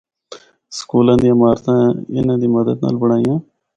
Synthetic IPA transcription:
skuːlãːd̪iːəmaːɾt̪ãːɪ̰nãːd̪iːməd̪əd̪na̰ːlbəɽ̃aːijãː

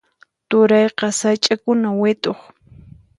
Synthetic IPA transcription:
t̪ʊɾɑjqɑsajt͡ʃʼakʊnawɪt̪oχ

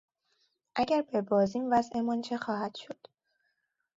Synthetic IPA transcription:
ʔæɟæɾbe̞bɒːziːmvæzʔemɒːnt͡ʃʰexɒːhæd̪̥ʃod̪̥

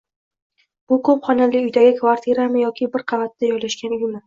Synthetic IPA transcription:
b̥ʊkʰɵpχɒnalɪʊjd̪aɡʲɪkʰvaɾt̪ʰiɾamɪjɒkʲʰɪbɪɾqʰɑvat̪ːajɒjlaʃkʲanʊjmɪ

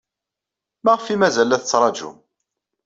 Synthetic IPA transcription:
mæʁfimæzælæθət͡sːɾˤɑd͡ʒṵm

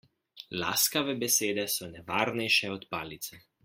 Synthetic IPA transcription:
la̰ːskaʋɛbɛseːd̪ɛsɔnɛʋaːɾnɛjʃɛɔt̪paːlit̪sɛ

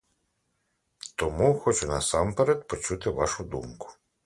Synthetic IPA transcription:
t̪ɔmuxɔt͡ʃʊnɐsɑmpeɾɛd̪pɔt͡ʃut̪ɪʋɑ̰ʃʊd̪umkʊ̥

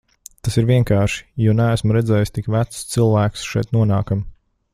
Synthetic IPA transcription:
t̪asiɾvʲiɛŋkaːɾʃi̥junæːsmɾɛd̪zɛːjst̪ikvæt̪st̪sɨlˠvæːksʃɛjt̪nuɔnaːkam

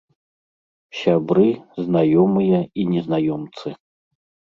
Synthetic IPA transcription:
sʲabɾɨznajɔmɨjɐinʲɛznajɔmt̪sɨ

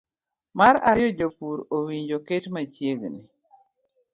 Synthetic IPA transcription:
maɾaɾjɔd͡ʒopuɾowiɲd͡ʒoketmat͡ʃjeɡni

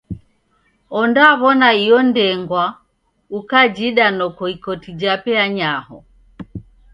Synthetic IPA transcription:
ɔndaβɔnaijɔndɛŋɡwa | ukad͡ʒiɗanɔkɔikɔtid͡ʒapɛaɲahɔ̰

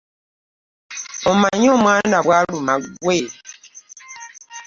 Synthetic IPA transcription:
omaɲoːmwaːndaβwaːlumaɡweːi

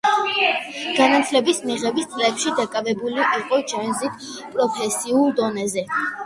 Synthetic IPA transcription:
ɡ̥anat̪ʰlɛbismiʁɛbist̪sʼlɛpʃid̪akʼavɛbuliʔiqʼɔd͡ʒɛnzit̪ʰ | pʼɾɔpʰɛsiulˠd̪ɔnɛzɛ

